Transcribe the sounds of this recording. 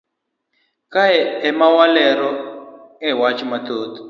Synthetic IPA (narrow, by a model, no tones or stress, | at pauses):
kajɛɛmawalɛɾɔɛwat͡ʃimat̪oːt̪